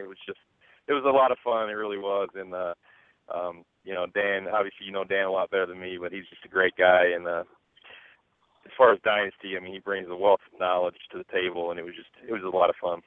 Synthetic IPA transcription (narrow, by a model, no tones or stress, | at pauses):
ɨt̚wʌzd͡ʒʌst̚ | ɨt̚wʌzəlɔɾʌv̥fʌ̃nɨt̚ɹɪlˠiwʌzɨ̃nʌ | ʔʌ̃m | jɨnoʊdæ̃nɑbviɨslijɨnoʊdæ̃nəlɔt̚b̥ɛɾə˞ðɨ̃nmibʌt̚hizd͡ʒʌstɨɡɹeɪt̚ɡ̥aɪɨ̃nʌ | ɨz̥fɑɹɨzdaɪnɨstiaɪmĩnibɹɪ̃ŋzðəwɛlˠθnɑlˠə̥d͡ʒ̥tʰɨðɨtʰeɪbl̩ˠə̃nɨt̚wʌzd͡ʒʌstɨt̚wʌzəlɔɾʌv̥fʌ̃n